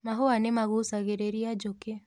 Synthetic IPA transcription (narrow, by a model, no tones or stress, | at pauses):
maɦoanemaɣusaɣeɾeɾiad͡ʒoke